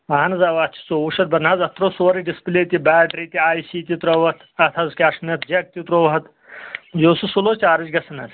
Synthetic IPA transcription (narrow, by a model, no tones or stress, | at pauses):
maːnɐzaʋaːt͡ʃʰi̥soːuːʃɐt̪̚bɐnaːzɐt̪ɾoːsoːɾiɖispleːt̪ibɛːʈɾiːt̪iaːjsiːt̪it̪ɾoʋɐt̪ʰɐt̪ʰɐzkʲaːʂnɐt̪ʰd͡ʒɐk̚t̪it̪ɾoːʋɐɦɐt̪ | d͡ʒoːsusuloːt͡ʃaːɾɐd͡ʒɡɐsɐnɐ̰z